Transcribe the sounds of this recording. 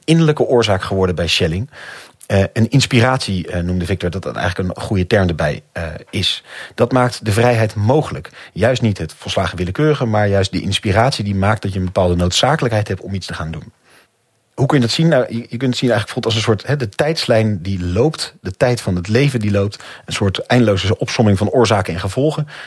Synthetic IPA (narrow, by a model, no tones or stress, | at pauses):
ɪnələkəʔʊːɹzaːkχəʋɔɹdəbɛjʃɛlɪŋ | ənɪnspiraːtsinumdəvɪk̚tɔɹdɑtɑtɛ̰jχələkənχujətɛɹmdəɹbɛjɪsd̥ɑtmaːk̚tdəvrɛjɦɛjtmowχələkjœɥstnitɦətfɔnˠslaːχəʋɪləkøːrəχəmaːɹjœɥst̚də̰ʔɪ̰nspiraːtsidimaːk̚t̚dɑtjəənbəpaːlˠdənowtsaːkələkɦɛjtɦɛptɔmitstəχaːndun | ɦukɵnjədɑtsinːawəjəkɵntətsinɛjχələkfubˠlˠtɑl̬ˠəns̬ʊːɹtɦɛdətɛjtslɛjndilowptdətɛjtfɑnɦətlejvəndilowp̚tənsʊːɹtɛjndəlowzəʔɔpsɔmɪŋvɑnʊːɹzaːkənɛnχəvɔlˠχən